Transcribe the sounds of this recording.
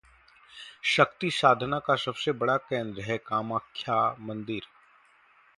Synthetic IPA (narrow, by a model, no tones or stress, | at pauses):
ʃəkt̪isaːd̪ʱənakasɐbsebɐɽakẽːnd̪ɾəɦɛkaːmaːkʰːjaːmɐ̃nd̪ɪɾ